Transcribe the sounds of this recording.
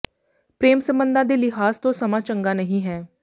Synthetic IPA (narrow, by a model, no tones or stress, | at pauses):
pɾeːmsəmbənd̪ãːd̪eːlɪɦaːst̪õːsəmãːt͡ʃəŋɡaːnəɦĩːɦɛː